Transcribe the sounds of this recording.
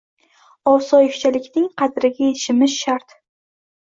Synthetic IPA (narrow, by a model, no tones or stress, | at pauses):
ɒwsɒjɪkt͡ʃʰalɪkʲnɪŋqʰɑd̪ɾɪɡʲajeʃɪmɪʃːaɾt̪